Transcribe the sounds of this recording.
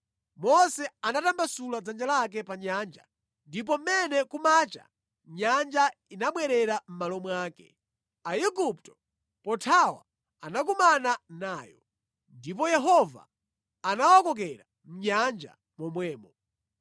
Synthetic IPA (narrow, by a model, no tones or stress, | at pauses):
mɔsɛanatambasulad͡zand͡ʒalak̬ɛpaɲaːnd͡ʒa̰ | ndip̬ɔm̩mɛnɛkumaːt͡ʃa̰ | ɲand͡ʒainaɓwɛɾɛɾam̩malɔmwaːkɛ̰ | aiɡup̚tɔ̥ | pɔtʰawa̰ | anak̬umananaːjɔ̰ | ndip̬ɔjɛɦɔva̰ː | nawɔkɔk̬ɛɾa | m̩ɲand͡ʒa̰ | mɔmwɛːmɔ